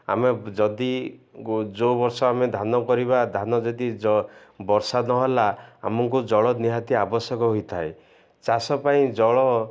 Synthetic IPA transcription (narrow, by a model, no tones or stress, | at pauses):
a̰med͡ʒɔd̪i | d͡ʒobɔɾsɔamed̪ʱanɔkɔɾibad̪ʱanɔd͡ʒɔd̪id͡ʒɔbɔɾsanɔɦɔlaa̰mɔŋkud͡ʒɔɭɔniɦat̪iabɔsjɔkɔɦojt̪ʰae | t͡ʃasɔpaĩd͡ʒɔɭɔ